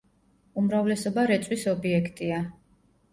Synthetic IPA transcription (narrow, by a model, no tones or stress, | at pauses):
umɾavlɛsɔbaɾɛt̪sʼwisɔbiɛkʰt̪ʼia